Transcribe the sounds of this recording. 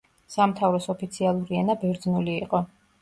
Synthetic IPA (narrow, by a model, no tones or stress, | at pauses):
samt̪ʰavɾɔsɔpʰit̪sʰialˠuɾiɛnabɛɾd̪znuliːqʼɔ